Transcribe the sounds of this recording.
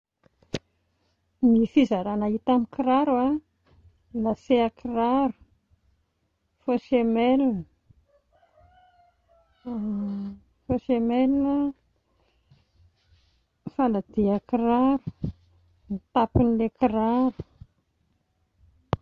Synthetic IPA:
mifizaɾanait̪amikiɾaɾua | laseakiraɾu̥ | foʃemelinə | fosemelinə | falad̪̥iakiraɾu̥ | mit̪apinlekiraɾu̥

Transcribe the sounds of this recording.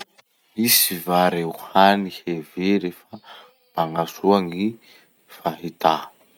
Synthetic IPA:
misivaɾewhaniheveɾefə | b̥aŋasuaŋi | faɦit̪a

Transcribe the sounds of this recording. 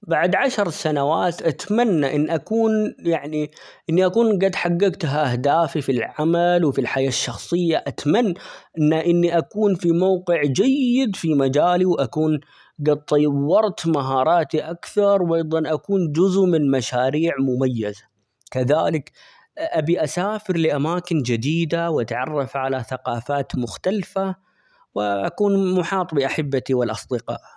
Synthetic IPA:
baʕd̪ʕaʃɾˤsanawaːt̪ʔat̪manːaʔɪnːʔakuːnjaʕni | ʔɪnːiʔakuːnɡad̪ħaɡːɪɡt̪ɦaʔahd̪aːfifilʕamalwfilħajaːʃːɑxsˤɨjːaʔat̪manːaʔɪnːaʔɪnːiʔakuːnfimawqɪʕd͡ʒajɪd̪fimad͡ʒaːliwʔakuːn | ɡad̪̚t̪ˤːɑjwːɑɾˤt̪maɦɑːɾˤɑːt̪iʔakθɑɾˤwʔɑjðˤɑnʔakuːnd͡ʒʊzmɪnmaʃaːɾiːʕmʊmajːaza | kaðaːlɪk | ʔabiʔasaːfɪɾlɪʔamaːkɪnd͡ʒɪd̪iːd̪awʔat̪ʕɑrˤːɑfʕalaθaqɑːfaːt̪mʊxt̪alfa | wɪʔa̰kuːnmʊħɑːt̪ˤbɪʔaħɪbːat̪iwɪlʔɑsˤd̪ɪqɑ̰ːʔ

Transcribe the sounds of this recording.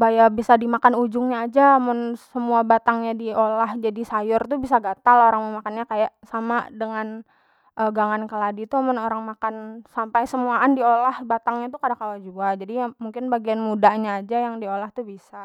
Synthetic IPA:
bajabisadimakanud͡ʒʊŋɲaːd͡ʒamʊnsəmuabat̪aŋɲadiolahd͡ʒadisajʊrt̪ubisaɡat̪aloɾaŋməmakanɲakajaʔsama̰dəŋan | ʔəɡaŋankəladit̪uamʊnoɾaŋmakansampajsəmuaːndiolahbat̪aŋɲat̪ukadakawad͡ʒuad͡ʒadimuŋkɪnbaɡianmudaʔɲaːd͡ʒajaŋdiolaht̪ubisa

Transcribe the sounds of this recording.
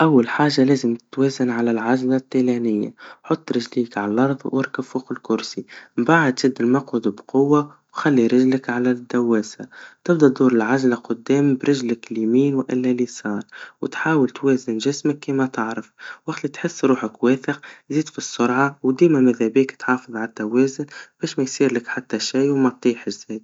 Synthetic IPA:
ʔawːalħaːʒːalæːzəmt̪wɛːzɪnʕalælʕazlat̪ːilænɪjːa̰ħot̪ˤːɾɪʒliːkʕallʔɑɾˤðˤwʔɪɾkəbfuqɪlkʊɾsimbaʕad̪tɪd̪ːɪlmɑqud̪bqʊwːa | wxælːiɾɪʒləkʕalæd̪ːawːɛːsat̪ɪbd̪ˤɑd̪uːɾɪlʕaʒlaqʊd̪ːɛːmbɾɪʒləklimiːnwʔɪlːælisˤɑːɾˤwt̪ħaːwəlt̪wɛːzɪnʒɪsməkːiːmæt̪ɑʕɾəfwʔɪxt̪lit̪ħɪsːɾuːħəkwɛːθəqziːd̪fisˤːʊɾʕawd̪iːmæmɪðæbiːkt̪ħɑːfɨðˤʕalt̪ːæwɛːzʊnb̥ɛːʃmæjsˤiːɾlɪkħat̪ːæʃajwmæt̪ˤːiːħəʒziːd̪̚

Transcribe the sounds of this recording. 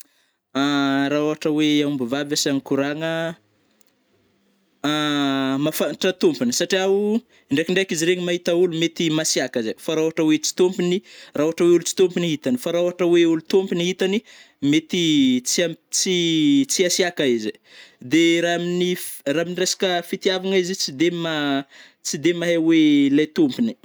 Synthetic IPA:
aɾaoɦaʈ͡ʂəweambavavasaŋikuɾaŋə | mafanʈ͡ʂət̪umpinisaʈ͡ʂiau | iɳɖ͡ʐekiɳɖ͡ʐakiziɾeɲimaɦit̪aulumet̪imasiakazefaɾaoaʈ͡ʂəwet͡si̥t̪ompinirauaʈ͡ʂəweulut͡si̥t̪ompiniɦit̪anifaɾauaʈ͡ʂəweulut̪ompiniɦit̪ani | met̪it͡siat͡sit͡siasiakaized̪eɾaminiraminiresḁkəfit̪iavaŋaizit͡sid̪ema | t͡sid̪emaɦewelajt̪umpini̥

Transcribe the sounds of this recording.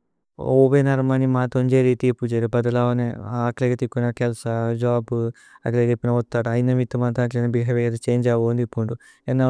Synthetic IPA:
oːʋeːnɐɾmɐnimaːt̪oɲd͡ʒeːɾit̪iːpud͡ʒeɾibɐd̪ɐlaːʋɐneaːkleɡɐt̪ikːunɐkɛlsɐd͡ʒaːb | ɐ̰kleɡepːinɐɔt̪ːaːɽuɐjnɐmit̪ːɐmɐnt̪aːk̬lenɐbiɦɐʋejɐd̪ɐt͡ʃeːɲd͡ʒaːʋoːnd̪ipːuɳɖu | enːɐ

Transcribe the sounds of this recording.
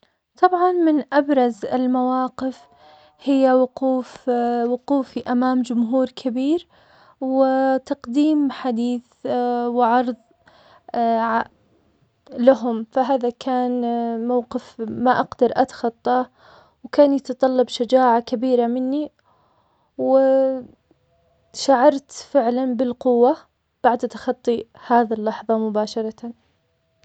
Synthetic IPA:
t̪ˤɑbʕɑnmɪnʔabɾˤɑzɪ̰lmawaːqɪf | hɪjːawʊquːfwʊquːfiʔamaːmd͡ʒʊmɦuːɾkʰabiːɾ | wɪt̪ɑqd̪iːmħad̪iːθ | wɪʕɑɾˤðˤ | ʕ | laɦʊmfaɦaːðakʰaːnmawqɪfmaʔaɡd̪ɑɾˤʔat̪ḁxɑt̪ˤːɑ | wkaːnjɑt̪ɑt̪ˤɑlːɑbʃad͡ʒaːʕakabiːɾamɪnːi | wɪ | ʃaʕɑɾˤt̪fɪʕlanbɪlqʊwːa | b̥aʕd̪ʔt̪ḁxɑt̪ˤːihaːðalːɑħðˤɑmʊbaːʃɑɾˤɑt̪an

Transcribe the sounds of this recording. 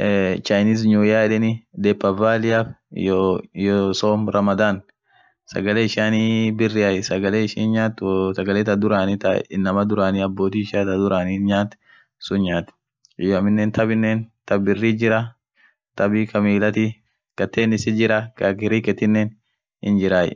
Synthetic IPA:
t͡ʃɐjniːs̬ɲuːjaːɪᶑɛnɪd̪ɛːpːɐvaːlɪaf | jɔsoːmɾɐmɐd̪aːn | sɐ̰ɡɐleːɪʃaːnibɪrːɪɐjsɐɡɐleːɪʃiːnɲaːt̪ːsɐɡɐleːt̪ɐd̪ʊɾaːnɪt̪ɐ̰ɪnːɐmɐd̪ʊɾaːniɐbːo̞ːt̪iːɪʃaːt̪ɐd̪ʊɾaːniɲaːt̪ | sʊnɲaːt̪ | ɪjɐmɪnːɛːnt̪ʰɐbɪnːeːnt̪ɐbbɪrːiːd͡ʒɪɾɐ | t̪ɐbɪkɐmiːlɐt̪i | kɐt̪ʰːeːnɪsɪd͡ʒɪɾɐkɐkɪɾiːkɛt̪ːɪnːɛn | ɪ̰nd͡ʒɪɾaːj̰

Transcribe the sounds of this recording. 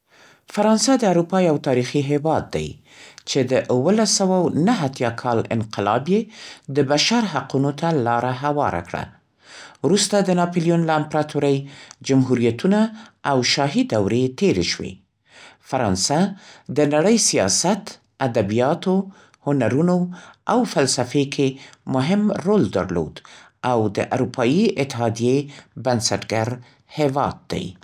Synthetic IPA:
faɾɑnsad̪əaɾupɑjawt̪ɑɾixiɦewɑd̪̚ːa̰j | t͡ʃed̪əʔwəlasawawnaɦat̪jɑkʰɑlɪ̰nqɪlɑ̰bjed̪əbaʃaɾɦaqunot̪ʰalɑɾaɦawɑ̰ɾa̰kɽa̰ | wɾust̪ad̪ənɑpolijunlaɪmpɾɑt̪ʰuɾəjd͡ʒamɦuɾijat̪unaːwʃɑɦid̪awɾet̪eɾḛʃwḛ | faɾɑnsad̪ənaɽəjsijɑ̰sat̪ | ad̪abijɑt̪o | hʊnaɾunoawfalsafekʰemʊɦɪmɾold̪a̰ɾlo̰d̪ | awd̪əʔa̰ɾupʰɑjiɪt̪ːɪɦɑd̪ijebansaʈɡaɾ | hewɑ̰d̪̚d̪a̰j

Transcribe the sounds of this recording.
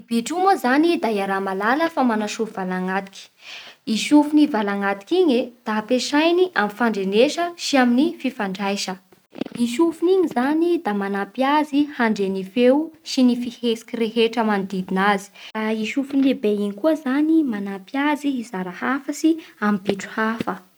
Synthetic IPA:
b̥iʈ͡ʂuməzanid̪ajaɾamalaləfamanaʃufivalaŋat̪i̥kʲi̥iʃufunivalaŋat̪i̥kiɲed̪̥apeʃajniʔamifaɳɖ͡ʐeneʃəʃiaminififaɳɖ͡ʐajʃə | iʃufuniɲizanid̪amanapjazihaɳɖ͡ʐenifewʃinifihesi̥kireɦeʈ͡ʂəmand̪id̪inazi̥ɾaiʃufunlebeiɲikuəzanimanapjaziizaɾahafəsiampiʈ͡ʂu̥hafə

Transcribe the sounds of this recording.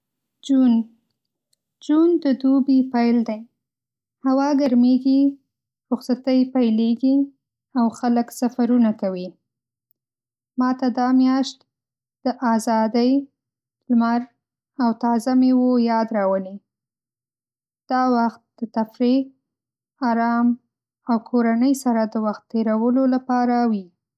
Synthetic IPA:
d͡ʒun | d͡ʒund̪əd̪ubipajld̪aj | hawɑɡaɾmeɡi | ɾʊxsat̪əjpajleɡi | awxaləksafaɾunakawi | mɑt̪ad̪ɑmjɑʃt̪ | d̪̥əʔazɑd̪əj | lmaɾ | awt̪ɑzamewojɑd̪ɾɑwəle | d̪̥ɑwaxt̪̚d̪̥ət̪afɾi | aɾɑm | awkʰoɾanəjsaɾad̪əwaxt̪ːeɾawəlolapɑɾawi

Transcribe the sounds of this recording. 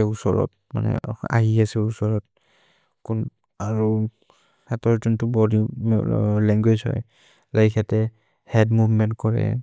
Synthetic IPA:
ɛusɔɹɔ̰t̚ | ma̰nɛ̰a̰ɦiasɛusɔɹɔt̚ | kun | aɹu | ɛtɔɹzɔntʊbɔdi | lɛŋɡwed͡ʒhɔ̰j | lajkʰɛtɛ | hɛdmuvmɛntkɔɹɛ̰

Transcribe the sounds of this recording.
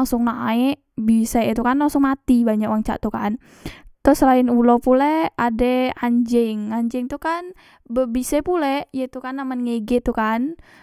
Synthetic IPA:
aŋsʊŋnaɛʔ | bisɛit̪ukanlaŋsʊŋmat̪ibaɲakwaŋt͡ʃa̰ʔt̪ukan | t̪ʊsəlaɪnulopulɛadɛaɲd͡ʒɛŋaɲd͡ʒɛŋt̪ukan | bəbisɛpulɛjat̪ukanːamanŋeɡɛt̪ukan

